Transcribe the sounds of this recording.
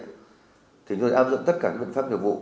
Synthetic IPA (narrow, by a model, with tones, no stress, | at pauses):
t̪ʰi˨˩˦ŋu˧˩ʔaː˧p̚zʊ̰˧˨ŋ͡mt̪ə˦˥t̚kaː˧˩aː˦˥˩ɓ̰n˦faː˦˥p̚ɲɨ˨˩vṵ˧˨